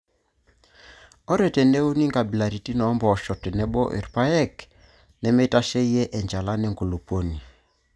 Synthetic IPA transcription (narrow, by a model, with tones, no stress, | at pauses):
ɔ˦ɾɛ˨tɛ˨nɛ˦u˦ni˦ŋɡa˨bi˨la˨ɾi˨ti˦nɔ˨˦mbɔː˨ʃɔ˨tɛ˨nɛ˦bɔ˦ʔḛ˨ɾpa˦jɛ˦k | nɛ˦me˦ta˦ʃɛ˦jɛ˦ʔɛ˨ɲd͡ʒa˨la˦nɛ˨ŋɡo˨lo˨po˦ni˨